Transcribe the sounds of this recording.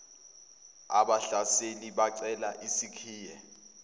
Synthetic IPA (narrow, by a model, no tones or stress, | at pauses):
aɓaɬaseniɓaǀɛlaʔisikʰiːjɛ